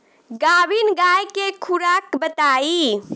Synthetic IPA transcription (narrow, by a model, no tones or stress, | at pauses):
ɡabinɡajkekʰuɾakbət̪ai